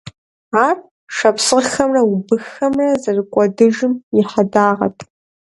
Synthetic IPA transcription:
aːp | ʂɐpʰsɨʁxɐmrɐubɨxɐmrɐzɐrɨkʷʼɔdɨʒɨmɪħadaːʁɐ̰tʼ

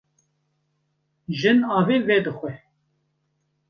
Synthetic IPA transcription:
ʒɨnɑːveːvɛd̪ɨxʷɛ

